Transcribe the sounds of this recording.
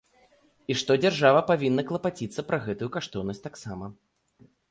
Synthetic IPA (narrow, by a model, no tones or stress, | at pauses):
iʂt̪ɔd͡zʲarʐavɐpavʲinːɐklˠɐpat͡sʲit̪sːɐpɾɐɣɛt̪ujukaʂt̪ɔwnɐsʲtʲt̪aksamɐ